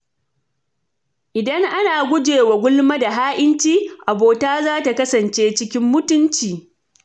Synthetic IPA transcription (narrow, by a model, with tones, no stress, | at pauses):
ʔɪ˨dɐ˦ŋʔa˦naː˨ɡʷʊ˦d͡ʒeː˨wa˨ɡʷʊ˦lma˦da˨ɦaː˦ʔɪ˦nt͡ʃiː˦ʔa˨boː˨taː˦zaː˦ta˨kɐ˦sɐ˨nt͡ʃeː˦t͡ʃɪ˦kʲɪ˦mːʊ˦tʊ˦nt͡ʃiː˨